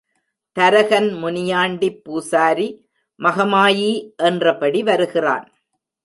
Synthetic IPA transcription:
t̪ɐɾɐɣɐnmʊnɪjaːɳɖipːuːsaːɾi | mɐɣɐmaːjiʔɛndrɐpɐɽiʋɐɾɯɣɪra̰ːn

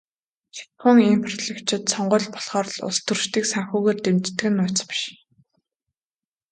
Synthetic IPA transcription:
xḁt̪χʊ̆ŋimpʰrɔɮekt͡ɕʰɪ̆t̪sɔɴɢʊːɮpɔ̥ɮχɔːr̆ɮʊ̰st̪ʰurʃt̪iːksæŋxuːɣeːrt̪emt͡ɕt̪ːɘ̆ɣɘ̆nːʊːt͡spi̥ʃ

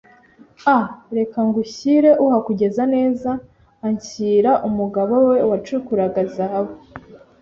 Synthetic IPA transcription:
aɾe̞kaŋɡuçiɾe̞ʔuhakuɟe̞zane̞ːzaː | ɲciːɾaʔumuɡaβo̞we̞wat͡ʃukuɾaɡazawo

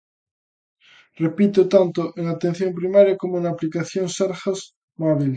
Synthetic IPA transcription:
repit̪ot̪ant̪oʔeŋat̪en̟θjompɾimaɾjakomoẽnaplikaθjoŋseɾxas | maβil

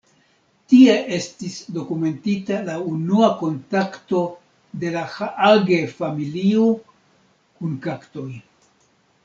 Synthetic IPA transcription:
tie̞ʔe̞stisdo̞kume̞ntitalaunuako̞ntakto̞ | de̞lahaʔaɡe̞familio | kunkakto̞j

